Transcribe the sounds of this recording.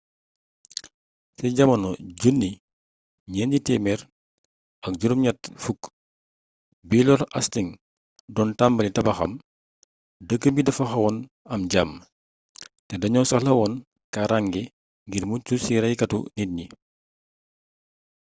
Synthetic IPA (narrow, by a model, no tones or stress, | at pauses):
sɛɟɐmɐnɔɟunːi | ɲɛnɟitɛmɛɾ | ɐk̚ɟuɾumɲɐt̚fuk | bilɔɾɐ̰stiŋ | dɔːntambɐlitɐbɐxɐ̰m | dəkːəbidɐfɐxɐwɔn | ɐmɟam | tɛdɐɲɔːnsɐxlɐwɔn | kaɾaŋɡɛ | ŋɡirmucusiɾɐjkɐtṵnit̚ɲi